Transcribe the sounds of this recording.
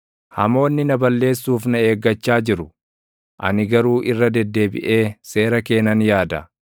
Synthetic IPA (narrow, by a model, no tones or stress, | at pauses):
hɐ̰mo̞ːnːɪnɐbɐlːe̞ːsːuːfnɐe̞ːɡːɐt͡ʃːaːd͡ʒɪɾʊ | ʔɐ̰nɪɡɐɾuːʔɪrːɐd̪ɛd̪ːe̞ːbɪ̰ʔe̞ːse̞ːɾɐke̞ːnɐnjaːd̪ɐ